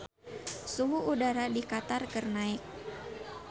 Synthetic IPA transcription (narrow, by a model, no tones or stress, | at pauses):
suɦuʔudaɾadikat̪arkərnaɪk̚